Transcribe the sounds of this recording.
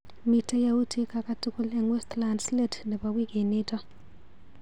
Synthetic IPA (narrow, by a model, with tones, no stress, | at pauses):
mi˨ta˦ja˦wu˦tʰi˦ka˨ka˦tʊ˦kʊ˦lɛ˨ŋwɛ˦stla˨nsle˦˨tnɪ˨ba˨wi˦ke˨ne˦tɔ˦